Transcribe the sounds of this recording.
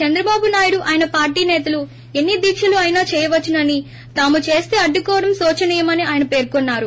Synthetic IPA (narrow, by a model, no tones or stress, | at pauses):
t͡ʃɐnd̪ɾɐbaːbunaːjuɽuʔaːjɐnɐpaːɾʈiːnɛːt̪ɐlu | e̞nːid̪iːkʂɐluɐjnaːt͡ʃɛːjɐʋɐt͡ʃːinɐni | t̪aːmut͡ʃe̞ːst̪e̞ːɐɖːukɔːʋɐɽɐmsɔːt͡ʃɐniːjɐmɐniaːjɐnɐpe̞ːɾkonːaːɾu